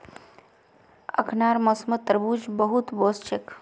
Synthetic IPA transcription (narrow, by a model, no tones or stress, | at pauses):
ə̰kʰnaːɾmɐsmət̪ːəɾbuːd͡ʒbəɦut̪boːst͡ʃʰek